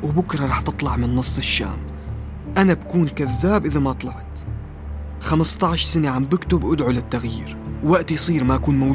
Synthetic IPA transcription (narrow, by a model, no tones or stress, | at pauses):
wbʊkɾˤɑɾˤɑːħt̪ɨt̪ˤlɑʕmɪnːɨsˤːɪʃːa̰ːm | ʔanabakuːnkaðːaːbʔɪðamaʔt̪ˤlɑʕt̪ | xamɪst̪ˤɑʕʃsaneʕambɪkt̪ʊbʔʊd̪ʕulɪt̪ːaɣjḭːɾwwaʔt̪ijsˤiːɾmaʔakuːnma